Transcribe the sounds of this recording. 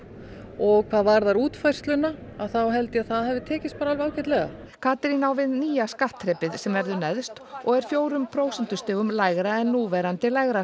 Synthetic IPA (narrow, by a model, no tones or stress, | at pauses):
ɔɣkʰv̥aːðvaɾðaɾuːt̪fajr̥st̪lʏnːa | aðθawɦɛlt̪ɪaðθaðhɛvðɪt̪ʰɛːcɪs̚paːɾaalvaːwcɛt̪lɛɣa̰ | kʰaːt̪ɾinawvɪðniːjaskaht̪ʰːɾɛːpɪðsɛmvɛɾðʏnɛðst̪ɔɣɛɾ̥fjoːwɾʏmpʰɾoːwsɛnt̪ʏst̪ɪːɣʏmlaːjɣɾaɛnːuːvɛɾant̪ɪlajɣɾa